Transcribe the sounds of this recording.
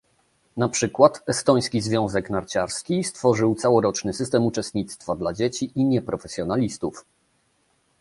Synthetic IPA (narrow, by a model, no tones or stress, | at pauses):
napʂɘkwat̪ɛst̪ɔj̃skʲizvʲjɔ̃w̃zɛknaɾt͡ɕaɾskʲist̪fɔʐɘwt̪sawɔɾɔt͡ʂnɘsɘst̪ɛmut͡ʂɛst̪̚ɲit̪st̪fad̪lad͡ʑet͡ɕiʔiɲɛpɾɔfɛsʲjɔnalʲist̪uf